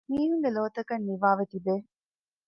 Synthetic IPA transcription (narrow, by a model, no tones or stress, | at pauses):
miːɦuŋɡeloːt̪ɐkɐnːiʋaːʋet̪ibeː